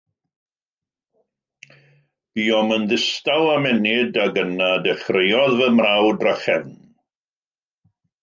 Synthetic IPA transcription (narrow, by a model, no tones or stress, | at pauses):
b̥iːɔmənðɪstawamɛnɪdaɡənadɛχrejɔðvɛmrawdraχɛn